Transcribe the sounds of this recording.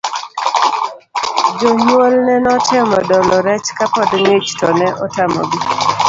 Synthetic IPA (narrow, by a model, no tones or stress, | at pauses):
d͡ʒomwolnɛnɔtʰɛmɔdɔlɔɾɛt͡ʃkapɔdŋet͡ʃtɔnɛʔɔtamɔ̰ɡi